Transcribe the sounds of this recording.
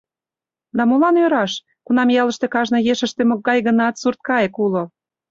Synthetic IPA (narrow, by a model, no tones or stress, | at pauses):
d̪ɑmolɑnøɾɑʃ | kunɑmjɑlə̆ʃt̪ekɑʒnɤ̆jeʃə̆ʃt̪emokːɑjɣə̆nɑt̪surt̪̚kɑjekulo